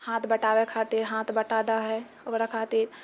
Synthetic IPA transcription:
hãːt̪ʰbɐʈaːwekʰaːt̪ɪɾɦãːt̪ʰbɐʈaːd̪aɦɛ | oɾakʰaːt̪ɪɾ

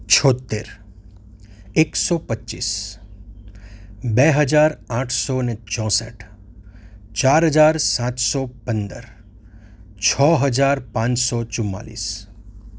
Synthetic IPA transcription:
t͡ʃʰɔt̪ːḛɾ | eksɔpətːʃḭːs | bɛɦəd͡ʒaɾãʈʰsɔnet͡ʃɔ̃sə̰ʈʰ | t͡ʃaɾɦəd͡ʒaɾsãt̪sɔpənd̪ə̰ɾ | t͡ʃʰɔɦəd͡ʒaɾpãt͡ʃsɔt͡ʃʊmːa̰lḭs

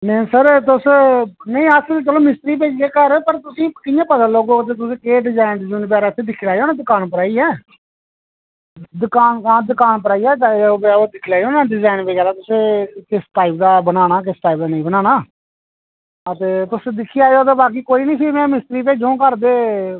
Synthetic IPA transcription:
nẽsəɾt̪ʊsnə̃ĩːəst͡ʃəloːmɪst̪ɾiːp̬eːd͡ʒd̪eːkəɾpəɾt̪ʊsĩːkɪjãːpəd̪əlloːɡoːət̪̬eːt̪ʊsẽːkeːɖɪzaːɪnɖɪziːnp̬aːɾaːɪt̪ʰːeːd̪ɪkʰːlaːjoːnẽːd̪ʊkaːnpəɾaːiːɛː | d̪ʊkaːnaːd̪ʊkaːnpəɾaːiːɛːoboːd̪ɪkʰːlaːioːnaːɖɪzaːɪnpeːɡaːɾaːt̪ʊsẽːkɪsʈaːɪp̚d̪aːbənaːnaːk̬ɪsʈaːip̚d̪aːnə̃ĩːbənaːnaː | ət̪eːt̪ʊsd̪ɪkʰːiːaːjoːt̪̬eːbaːk̬iːkoːiːnə̃iːsiːmɛ̃ːmɪst̪ɾiːp̬eːd͡ʒõːkəɾd̪eː

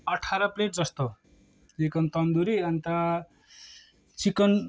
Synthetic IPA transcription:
ʌʈʰaɾʌpleʈ̚d͡zʌst̪o | t͡sikʌnt̪ʌnd̪uɾiʌnt̪ʌ | t͡sikʌn

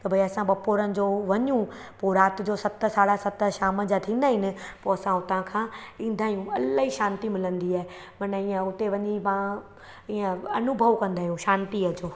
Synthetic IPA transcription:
t̪ɐbʱɐiɐsãɓɐpoːɾənɪ̆d͡ʑoːʋɐɲũpoɾaːt̪ɪ̆d͡ʑoːsɐt̪̆saːɽasɐt̪ʃaːmə̆d͡ʑat̪ʰĩːnd̪aːɦɪnɪ̆poːɐsãʊt̪ãkʰãːĩːn̆d̪ʱaːɦjũɐlɦiʃãːnt̪imɪlə̃nd̪iaːe | mɐnəiːə̃ʊt̪eʋɐɲimã | iːə̃ɐnʊbʱəʋkɐ̃nd̪aːɦijũʃãːnt̪iəd͡ʑoː

